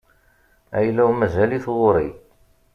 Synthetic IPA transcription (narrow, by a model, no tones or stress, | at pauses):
æ̰jlæwmæzæliθʁʊɾˤi